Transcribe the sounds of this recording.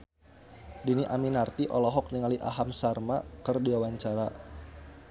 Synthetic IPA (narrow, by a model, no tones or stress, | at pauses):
diniʔaminart̪iʔɔlɔɦɔk̚niŋaliʔa̰ɦamsarmakərduawaɲt͡ʃaɾa